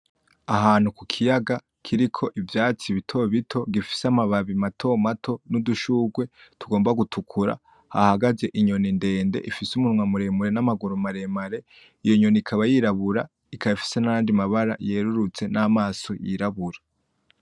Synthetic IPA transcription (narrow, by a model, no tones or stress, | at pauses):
aɦaːnhukukʰijaɡa | kʰiɾikʰo̞ʔivjaːt͡siβitʰo̞βitʰo̞ɡifi̥samaβaβimatʰo̞matʰo̞nuduʃuɡwe̞tuɡoːmbaɡutʰukʰuɾa̰ | ha̰haɡaze̞ʔiɲo̞ninde̞ːnde̞̰ʔifisumunŋwamuɾe̞muɾe̞namaɡuɾumaɾe̞maɾe̞ | ijo̞ɲonikʰaβajiɾaβuɾa | ikʰaifi̥se̞najaːndimaβaɾa̰jeːɾuɾut͡se̞namaːso̞jḭɾaβuɾa